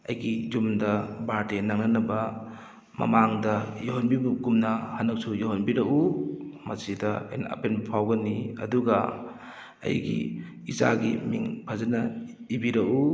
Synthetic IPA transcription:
ɐ̰jɡizumdɐbaɾtenaŋnanɐbɐ | mɐ̰maŋdɐjuɦanbibuɡumnɐhɐnɐk̚sujuɦanbiɾɐʔumɐsidɐ̰jnɐ̰penbɐpʰawɡɐniɐ̰duɡɐ | ɐ̰jɡḭ | iza̰ɡḭmḭŋpʰazɐnɐibiɾɐʔu

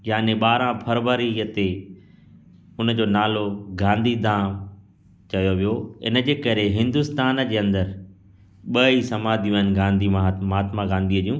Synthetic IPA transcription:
jaːnẽɓaːɾãpʰɐɾʋəɾiət̪e | ʊnə̆d͡ʑoːnaːloɡãːnd̪ʱid̪ʱãː | t͡ɕɐjoʋijoɪ̰nəd͡ʑeːkɐɾeɦɪ̃nd̪ʊst̪aːnd͡ʑeːɐ̃nd̪əɾ | ɓɐisɐmaːd̪ʱĩənɪ̆ɡãːnd̪ʱimamɦaːt̪maɡãːnd̪ʱiəd͡ʑjũː

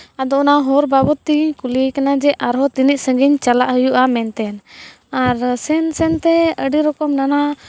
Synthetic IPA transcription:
ad̪ɔɔnaɦɔɾbabɔt̪iɲkulikanad͡ʒɛʔaɾɦɔt̪iniʔsə̃ŋɡiɲt͡ʃalaʔɦəjuʔamɛnt̪ɛn | aɾsɛnsɛnt̪ɛəɖiɾɔkɔmnana

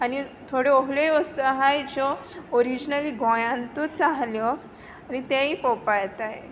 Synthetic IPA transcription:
anit̪ʰoɽeoɦlejɔsəɦajd͡zɔoɾid͡ʑnaliɡɔ̃jãnt̪ɔt͡saɦljɔ | anit̪eipɔpajt̪a

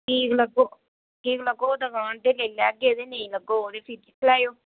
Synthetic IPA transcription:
kiːkləɡoː | kiːkləɡoːd̪aɡãːɳd̪eːlelɛːɡeːd̪eːneĩləɡooːd̪eːpʰiɾkikʰlaːjoː

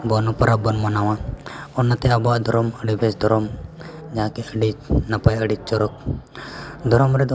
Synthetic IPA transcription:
bɔnupəɾabɔnmanaw̃ãɔnːat̪ɛabɔaʔd̪ʱɔɾɔməɽibʱɛsd̪ʱɔɾɔm | d͡ʒaɦãkɛəɖit͡ʃnapajəɖit͡ʃ̚t͡ʃɔɾɔk̚ | d̪ʱɔɾɔmɾɛd̪ɔ

